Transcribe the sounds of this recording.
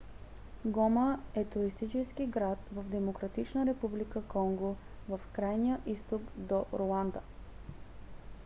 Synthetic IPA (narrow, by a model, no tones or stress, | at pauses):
ɡoməɛt̪ʊɾist̪it͡ʃɛskiɡɾat̪vəvd̪ɛmokɾɐt̪it͡ʃnəɾɛpublikəkɔŋɡo | vəfkɾajnijəʔist̪okd̪oɾolˠand̪ə